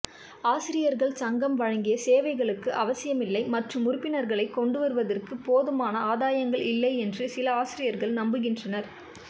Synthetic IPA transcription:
aːsɪɾɪjɐɾɣɐɭsɐŋɡɐmʋɐɻɐŋɡɪjɐseːʋɐɪɣɐɭɯkːɯʔɐʋɐsɪjɐmɪlːɐɪmɐʈrɯmʊɾʊpːɪnɐɾɣɐɭɐɪkːɔɳɖɯʋɐɾɯʋɐðɐrkɯpoːðɯmaːnɐaːðaːjɐŋɡɐɭɪlːɐɪɛndrɯsɪlɐaːsɪɾɪjɐɾɣɐɭnɐmbɯɣɪndrɐnɐɾ

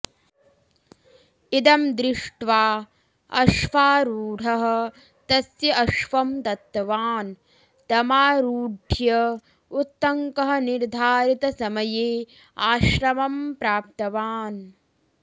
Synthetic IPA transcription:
id̪ɐmd̪ɾɪʂʈʋaː | ɐ̰ʃʋaːɾuːɽʱɐɦɐ̆ | t̪ɐsjɐɐʃʋɐmt̪ɐt̪ːɐʋaːn | t̪ɐmaːɾuːɖʱjɐ | ut̪ːɐŋkɐɦɐ̆niɾd̪ʱaːɾit̪ɐsɐmɐjeː | aːʃɾɐmɐmpɾaːp̚t̪ɐʋaːn

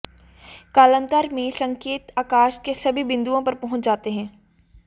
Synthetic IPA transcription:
kaːlə̃nt̪əɾmẽsɐ̃ŋkeːt̪aːkaːʃkesɐbʱibɪ̃nd̪uõpɐɾpɐɦʊ̃t͡ʃd͡ʒaːt̪eɦɛ̃ː

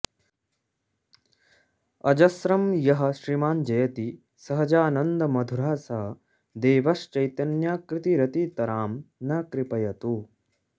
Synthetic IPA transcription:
ɐd͡ʒɐsɾɐmjɐɦɐ̆ʃɾimaːnd͡ʒɐjɐt̪i | sɐɦɐd͡ʒaːnɐnd̪ɐmɐd̪ʱuɾaːsɐɦɐ | d̪eːʋɐʃt͡ʃɐjt̪ɐnjaːkɾɪt̪iɾɐt̪it̪ɐɾaːmnɐkɾipɐjɐt̪u

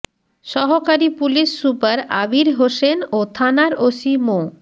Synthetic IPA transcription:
ʃɔɦokaɾipuliʃːupaɾa̰biɾɦoʃenot̪ʰanaɾosimo

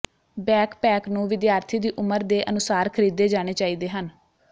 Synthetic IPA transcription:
bɛːkpɛːknũːʋɪd̪jaːɾt̪ʰiːd̪iːʔʊməɾd̪eːʔənʊsaːɾkʰəɾiːd̪eːd͡ʒaːɽ̃eːt͡ʃaːiːd̪eːɦən

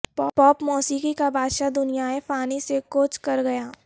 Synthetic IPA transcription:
pːpɔːpmɔːsiːkikabʱaːd̪ʃad̪ʊnijaepaːnisekoːt͡ʃkɐɾɡɐjaː

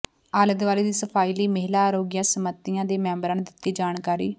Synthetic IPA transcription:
aːləd̪ʋaːleːd̪iːsəpʰaːiːliːməɦlaːɾoːɡɪjãːsəmət̪ːɪjãːd̪eːmɛ̃ːmbɾãːnd̪ɪt̪ːiːd͡ʒaːnkaːɾḭː

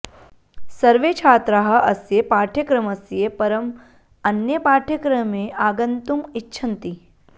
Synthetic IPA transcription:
sɐɾʋeːt͡ʃʰaːt̪ɾaɦɐ̆ʔɐsjepaːʈʰjɐkɾɐmɐsjepɐɾɐm | ɐnjɐpaːʈʰjɐkɾɐmẽʔaːɡɐnt̪umitːʃʰɐnt̪i

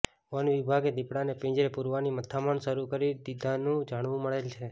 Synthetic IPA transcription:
ʋanʋibʱaɡed̪ipɽanepẽd͡ʒɾepuɾʋanimət̪ʰamənʃəɾukəɾid̪id̪ʱanũd͡ʒaɽ̃ʋũməɭelt͡ʃʰe

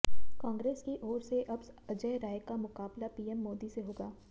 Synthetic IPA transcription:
kãːŋɡɾeːskiʔɔːɾseʔɐbsɐd͡ʒəːɾaːɦjkamʊkaːblapiːɛmːɔːd̪iseɦoːɡaː

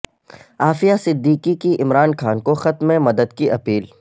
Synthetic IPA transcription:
aːfijasɪd̪ːiːkikiʔɪmɾaːnxaːnkoxɐt̪mẽmɐd̪əd̪kiʔɐpiːl

